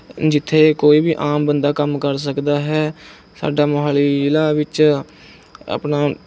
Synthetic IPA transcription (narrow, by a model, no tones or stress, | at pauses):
d͡ʒɪt̪ʰːeːkoːiːbiːʔaːmbənd̪aːkəmkəɾs̬əkd̪aːɦɛː | sa̰ːɖaːmoɦaːliːɪlaːʋɪt͡ʃ | a̰pnaː